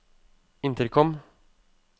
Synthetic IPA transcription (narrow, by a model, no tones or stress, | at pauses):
ɪnt̪əɾkʰɔm